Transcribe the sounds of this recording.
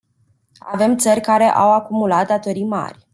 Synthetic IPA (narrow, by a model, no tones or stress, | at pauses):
a̰ve̞mt̪sərʲkaɾe̞ʔawakumulat̪̚d̪at̪o̞ɾijma̰rʲ